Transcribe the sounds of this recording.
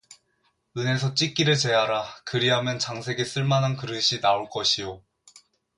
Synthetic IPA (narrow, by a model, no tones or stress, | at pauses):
ɯne̞s̬ʰʌt͡ɕ͈ik͈iɾɯɭt͡ɕe̞ɦaɾakɯɾiɦamjʌnt͡ɕaŋsʰe̞ɡe̞s͈ɯɭmanankɯɾɯɕʰinaoɭk͈ʌɕʰijo